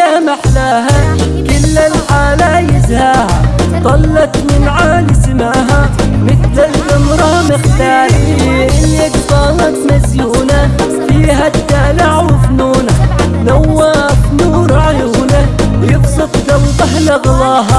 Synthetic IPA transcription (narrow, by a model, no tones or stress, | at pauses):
amaħlaɦa | kɪlːalħaːlajɪzhaːhad̪ˤɑlːɑt̪mɪnʕaːlɪsɪmaɦamɪθlalʔɪmɾˤɑmɪxt̪aːɾʔɪnːaɡq̪ɑːlat̪mazjuːna | fiːhat̪ːaːlaʕwɪfnuːna | nawːafnuːɾʕjuːnajɪbsˤɨt̪kawd̪ˤɑhladlɑːɦa